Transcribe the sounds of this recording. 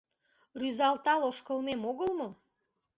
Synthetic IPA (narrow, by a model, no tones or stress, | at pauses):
ryzɑlt̪ɑloʃkəlmemoɣəlmo